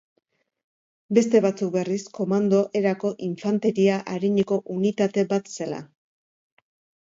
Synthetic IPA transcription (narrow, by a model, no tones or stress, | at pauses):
be̞st̪e̞βat͡suk̚be̞risko̞mand̪o̞ʔe̞ɾako̞ʔiɱfant̪e̞ɾiaʔaɾiɲeko̞ʔunit̪at̪e̞bat̪se̞la̰